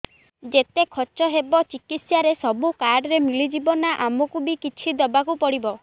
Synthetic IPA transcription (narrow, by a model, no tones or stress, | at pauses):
d͡ʒet̪ekʰɔt͡ʃɔɦebɔt͡ʃikit̪sjaɾesɔbukaɖɔɾemilid͡ʒibɔnaʔamɔkubikit͡ʃʰid̪ɔbakupɔɽibɔ